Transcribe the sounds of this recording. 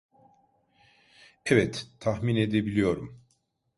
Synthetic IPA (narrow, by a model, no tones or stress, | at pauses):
ɛvɛt̪ʰːaxmine̞d̪ebilʲijo̞ɾum